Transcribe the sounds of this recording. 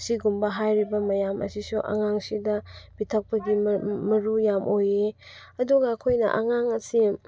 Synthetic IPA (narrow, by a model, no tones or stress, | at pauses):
siɡumbɐɦajɾibɐmɐjamʔɐ̰sisuʔɐ̰ŋaŋsidɐbitʰɐk̚pɐɡimɐɾujamʔojeɐduɡɐːkʰojnɐ̰ʔɐ̰ŋaŋɐsi